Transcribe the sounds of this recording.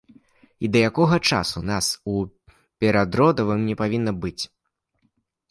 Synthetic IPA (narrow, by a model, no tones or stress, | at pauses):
id̪ɐjakɔɣɐt͡ʂa̰sunasu | pʲɛɾad̪ɾɔd̪ɐvɨmnʲɛpavʲinːɐbɨt͡sʲ